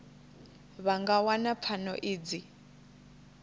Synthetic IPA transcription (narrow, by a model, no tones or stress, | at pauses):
βaŋɡawanap̪fʰanɔ̰ʔiːd͡zi